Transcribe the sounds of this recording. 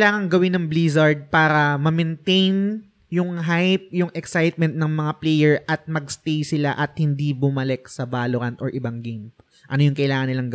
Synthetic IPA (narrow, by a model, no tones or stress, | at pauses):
laːŋɐŋɡɐwɪnːɐŋblizɐɹd̪̚paːɾɐmɐmɛnt̪ejn | jʊŋɦajp̚jʊŋʔɛksajt̪̚mɛnt̪̚nɐŋmɐŋaplɛjɛɹʔɐt̪̚mɐɡst̪ejsɪlaʔɐt̪̚hɪnd̪ibʊmɐlɛk̚sɐbaːloɾɐnt̪ʔoɹʔɪbaŋɡejm | ʔɐnojʊŋkɐʔɪlaːŋɐnːɪlaŋɡɐ